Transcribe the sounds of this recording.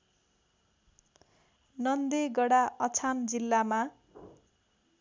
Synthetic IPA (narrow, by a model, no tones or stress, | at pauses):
nʌnd̪eɡʌɽaʔʌt͡sʰand͡zilːama